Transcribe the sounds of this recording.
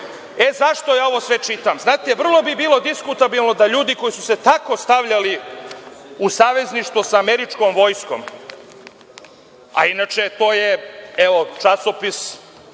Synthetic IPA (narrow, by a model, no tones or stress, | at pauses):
ezaʃt̪ojaːo̞ʋo̞sʋet͡ʃit̪amznaːt̪ɛʋr̩lˠo̞bibiːlˠo̞d̪iskut̪abilˠno̞d̪aʎuːd̪iko̞jisuset̪ako̞st̪aʋʎali | usaːʋe̞zniʃt̪ʋosaːmeɾit͡ʃko̞mʋo̞ːjsko̞̰m | a̰inat͡ʃet̪o̞ːjeeʋot͡ʃasopis